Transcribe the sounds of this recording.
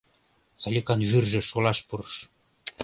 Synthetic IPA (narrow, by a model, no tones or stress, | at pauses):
t͡sɑlʲikɑnβyrʒĕʃolɑʃpurʃ